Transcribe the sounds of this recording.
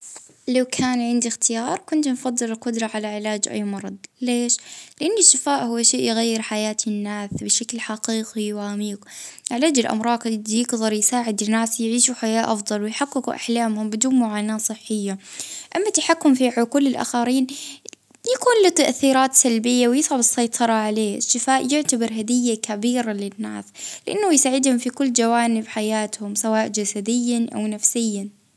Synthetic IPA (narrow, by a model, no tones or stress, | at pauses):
lawkʰaːnʕɪnd̪ixt̪ɪjɑːɾˤkʊnt̪nfɑd̪ˤːɨlɪlqʊd̪ɾˤɑʕalaʕɪlaːd͡ʒʔa̰jːmɑɾˤɑd̪ˤleːʃlɪʔanːɪʃːɪfaːʔhʊwːaʃeːʔjɣajːɪɾħajaːt̪ɪnːaːsbɪʃaklħaqiːqiwamiːqʕɪlaːd͡ʒɪlʔa̰mɾˤɑːt̪jɪɡðˤɑɾˤjsaːʕɪd̪ɪnaːsjʕiːʃuħajaːʔɑfd̪ˤɑlwɪjħaqːɪkuʔa̰ħlaːmhʊmbɪd̪uːnmʊʕaːnaːsˤɨħːɪjːaʔamːat̪aħakːʊmfiʕʊkulːɪlʔa̰xaɾiːn | jakuːnlit̪aʔθiːɾɑːt̪salbɪjːawjɪsʕabɨsːɑjt̪ˤʰɑɾˤɑʕaleːɪʃt̪ɪfaːʔjʊʕt̪abɪɾˤɦad̪ɪjːakabiːɾalɪnːa̰ːslɪʔa̰nːajsaːʕɪd̪hʊmfikʊlːd͡ʒawaːnɪbħajaːt̪hʊmsawaːʔd͡ʒasad̪ɪjːaʔa̰wnafsɪjːa